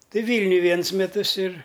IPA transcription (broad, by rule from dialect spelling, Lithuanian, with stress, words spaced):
ˈtɐɪ ˈʋʲiːlʲnʲʊj ˈʋʲiɛnʊs mʲɛˈtʊs ɪr